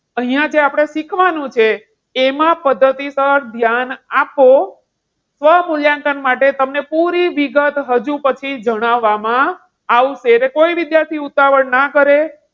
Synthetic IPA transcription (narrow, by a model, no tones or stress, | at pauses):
əɦijãd͡ʒeapɽ̃eʃikʰʋanũt͡ʃʰeː | mãpəd̪ʱːət̪isəɾd̪ʱjanapo | sʋəɦmuljãŋkənmaʈet̪əmnepuɾiʋiɡət̪ɦəd͡ʒũpət͡ʃʰid͡ʒəɽ̃aʋːamã | aʋʃeɾekoiʋid̪jaɾt̪ʰiut̪aʋəɳnakəɾe